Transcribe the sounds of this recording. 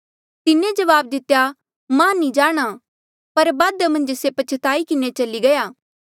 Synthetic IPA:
t̪ɪnẽd͡ʒɐʋaːb̚d̪ɪt̪ja | mãnĩd͡ʒaːɽ̃a | pɐɾbaːd̪əmɐ̃nd͡ʒsepɐt͡ʃʰət̪aːikɪnet͡ʃɐliɡɐjaː

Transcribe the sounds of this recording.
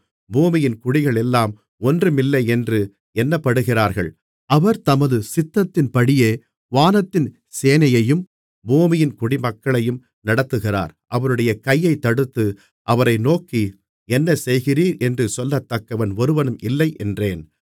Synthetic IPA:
buːmɪjɪnkʊɽɪɣɐɭɛlːaːm | ɔndrɯmɪlːɐɪɛndrɯ | ɛnːɐpːɐɽɯɣɪraːɾɣɐ̰ɭ | ɐʋɐɾt̪ɐmɐðɯsɪt̪ːɐt̪ːɪnpɐɽɪjeː | ʋaːnɐt̪ːɪn | seːnɐjɐjɯm | buːmɪjɪnkʊɽimɐkːɐɭɐjɯm | nɐɽɐt̪ːɯɣɪra̰ːɾʔɐʋɐɾɯɽɐjɐkɐjːɐɪt̪ːɐɽɯt̪ːɯ | ʔɐʋɐɾɐɪnoːki | ɛnːɐsɛjɣɪriːɾɛndrɯsɔlːɐt̪ːɐkːɐʋɐnɔɾɯʋɐnɯmʔɪlːɐɪʔɛndreːn

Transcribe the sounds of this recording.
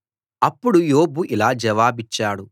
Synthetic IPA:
ɐpːuɽujo̞ːbuʔilaːd͡ʒɐʋaːbit͡ʃːaːɽu

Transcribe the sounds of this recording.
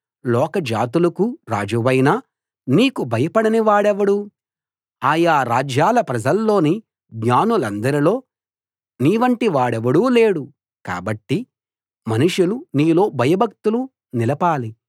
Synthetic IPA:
lɔːkɐd͡ʒaːt̪̬ulɐkuɾaːd͡ʒuʋɐjnaː | niːkubʱɐjɐpɐɽɐniʋaːɽɛʋɐɽu | aːjaːɾaːd͡ʒjaːlɐpɾɐd͡ʒɐlːo̞ːni | ɡɲaːnulɐnd̪ɐɾilo̞ː | niːʋɐɳʈiʋaːɽɛʋɐɽuːle̞ːɽu | ka̰ːbɐʈːi | mɐnuʂjuluniːlo̞ːbʱɐjɐbʱɐk̚t̪ulu | nilɐpaːli

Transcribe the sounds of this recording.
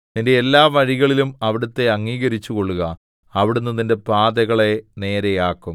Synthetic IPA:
ninde̞ːlːaːʋɐɻiɣɐɭilumɐʋiɽɐt̪ːe̞ɐŋːiːɣɐɾit͡ɕːuko̞ɭːuɣɐ | ɐʋiɽunːɐðinde̞paːd̪ɐɣɐɭe̞ne̞ːɾe̞jaːkːum

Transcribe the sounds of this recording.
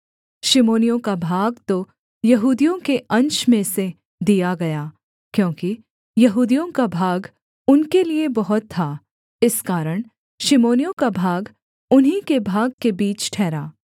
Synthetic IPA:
ʃɪmoːnijõkabʱaːɡt̪o | jɐɦuːd̪ijõkeʔɐ̃nt͡ʃmẽse | d̪ijaɡɐjaː | kjõːki | jɐɦuːd̪ijõkabʱaːɡ | ʊnkeliebɐɦʊt̪ʰːa | ɪskaːɾəɽ̃ | ʃɪmoːnijõkabʱaːɡ | ʊnɦikebʱaːɡ̚kebiːt͡ʃʈʰɛːɾaː

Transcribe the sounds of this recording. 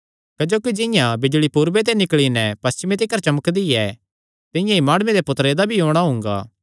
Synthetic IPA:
kɐd͡ʒoːkid͡ʒɪ̃jãbɪd͡ʒɭipuːɾʋet̪̬enɪkɭinɛpɐst͡ʃɪmẽt̪̬ɪkəɾt͡ʃɐməkd̪iɛ | t̪ɪjãimaːɽ̃ʊmed̪epʊt̪ɾed̪abʱiɦoːɽ̃aɦʊ̃ŋɡa̰ː

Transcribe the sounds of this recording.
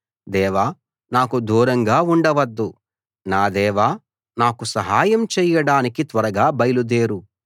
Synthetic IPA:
d̪ɛːʋaː | naːkud̪uːɾɐŋɡaːuɳɖɐʋɐd̪ːu | naːd̪ɛːʋaː | naːkusɐɦaːjɐmt͡ʃɛːjɐɽaːnikit̪ʋɐɾɐɡaːbɐjlud̪eːɾu

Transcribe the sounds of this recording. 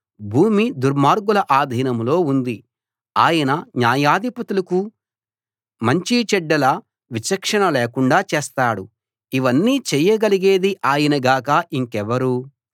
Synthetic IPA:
bʱuːmid̪uɾmaːɾɡulɐʔaːd̪ʱiːnɐmlo̞ːund̪i | aːjɐnɐɲjaːjaːd̪ʱipɐt̪ulɐku | mɐɲt͡ʃit͡ʃɛɖːɐlɐ | ʋit͡ʃɐkʂɐɳɐleːkuɳɖaːt͡ʃeːst̪aːɽu | iʋɐnːiːt͡ʃɛjːɐɡɐliɡe̞ːd̪iʔaːjɐnɐɡaːkaʔiŋkɛʋɐɾu

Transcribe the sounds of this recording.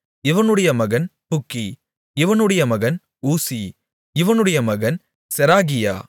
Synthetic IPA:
ɪʋɐnɯɽɐjɐmɐɣɐnpʊkːi | ɪʋɐnɯɽɐjɐmɐɣɐn | uːsi | ɪʋɐnɯɽɐjɐmɐɣɐn | sɛɾaːɣɪja̰ː

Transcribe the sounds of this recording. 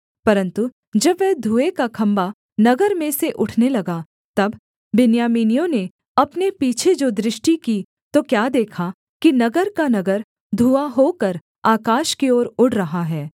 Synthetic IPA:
pɐɾə̃nt̪u | d͡ʒɐbʋɛɦd̪ʱuːekakʰɐ̃mba | nɐɡəɾmẽseʔʊʈʰnelɐɡa | t̪ɐbː | ɪnjaːmiːnijõne | ɐpnepiːt͡ʃʰed͡ʒod̪ɾɪʃʈiki | t̪okjaːd̪eːkʰa | kinɐɡəɾkanɐɡəɾ | d̪ʱuːaɦokɐɾ | aːkaːʃkeoːɾʊɽɾɐɦaɦɛː

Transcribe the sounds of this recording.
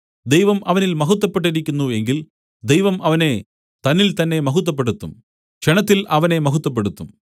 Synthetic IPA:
d̪ejʋɐmʔɐʋɐnilmɐɦut̪ːɐpːe̞ʈːiɾikʲːunːue̞ŋɡil | d̪ejʋɐmʔɐʋɐne̞ | t̪ɐnːilt̪ɐnːe̞mɐɦut̪̬ːɐp̬ːe̞ɽut̪ːum | ɕeɳɐt̪ːilɐʋɐne̞mɐɦut̪ːɐp̬ːe̞ɽut̪ːum

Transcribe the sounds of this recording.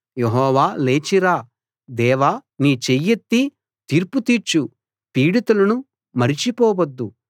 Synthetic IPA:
jeɦɔːʋaːleːt͡ʃiɾaː | d̪ɛːʋaːniːt͡ʃejːet̪ːi | t̪iːɾput̪iːɾt͡ʃu | piːɽit̪ulɐnu | mɐɾit͡ʃipɔːwɐd̪ːu

